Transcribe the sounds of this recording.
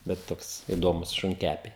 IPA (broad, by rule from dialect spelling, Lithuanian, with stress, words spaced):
bʲɛt ˈtoːks ɪˈdoːmʊs ʃʊŋʲˈkʲæpʲɛɪ